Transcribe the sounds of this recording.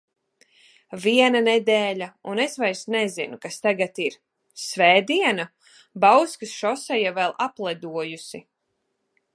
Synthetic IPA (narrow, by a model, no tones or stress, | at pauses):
viɛnanɛd̪ɛːlʲaunesvajɾsnɛzinukast̪aɡat̪iɾ | svɛːd̪iɛna | bawskɨsʃɔsɛjavɛlˠaplˠɛd̪uɔjusi